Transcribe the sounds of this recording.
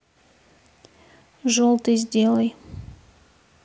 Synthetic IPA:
ʐolˠt̪ɨjzʲdʲelˠəj

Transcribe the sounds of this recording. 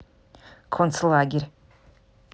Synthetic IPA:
kʰont͡slaːɡʲerʲ

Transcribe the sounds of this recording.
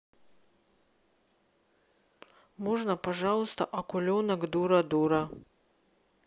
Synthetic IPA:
mɔʐnɐpɐʐalˠst̪ɐ̰ʔɐkʊlʲonɐkd̪uɾɐd̪uɾɐ

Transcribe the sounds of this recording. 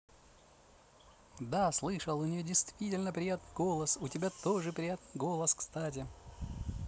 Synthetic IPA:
d̪aslˠɨʂəlˠʊnʲɪjodʲɪjst̪vʲitʲɪlʲnəpɾʲɪjat̪nɨjɡo̞lˠəsʊtʲɪbʲat̪oʐɨpɾʲɪjat̪nɨɡo̞lˠəskst̪atʲɪ

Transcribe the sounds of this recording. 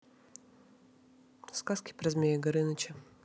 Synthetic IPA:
skaskʲɪ̥pɾɐzʲmʲejɪɡɐɾɨnɐt͡ɕɪ

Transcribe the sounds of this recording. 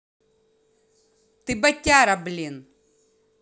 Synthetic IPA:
t̪ɨbɐtʲːaɾɐblʲin

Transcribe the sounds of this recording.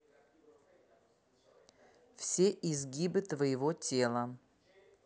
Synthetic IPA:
fsʲeʔɪzɡʲibɨt̪vəjɪvotʲelˠə

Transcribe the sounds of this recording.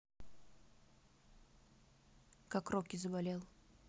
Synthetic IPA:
kakrokʲɪzəbalʲe̞lˠ

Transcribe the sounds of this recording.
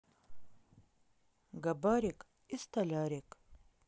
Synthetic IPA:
ɡɐbaɾik | ist̪alaɾik

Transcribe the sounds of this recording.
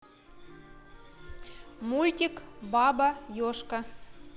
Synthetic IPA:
mulʲt̪ʲikbɑbajoʃka

